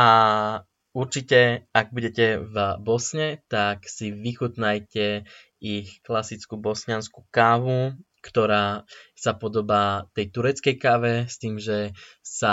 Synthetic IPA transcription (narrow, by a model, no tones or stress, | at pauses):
ʔa | uɾt͡ʃicɛaɡ̚buɟɛcɛvbɔsɲɛt̪aksiʋixut̪najcɛ | ixklasit͡skubɔsɲansku̥kaʋu | kt̪ɔɾaːsapɔd̪ɔbaːt̪ɛjt̪uɾɛt͡skɛjkaʋɛst̪iːmʒɛ | sa